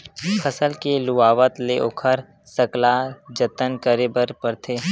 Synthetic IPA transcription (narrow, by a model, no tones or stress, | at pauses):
kʰəsəlkeluaːʋət̪leʔokʰəɾ | səklad͡ʒət̪ənkəɾebəɾpəɾt̪ʰeː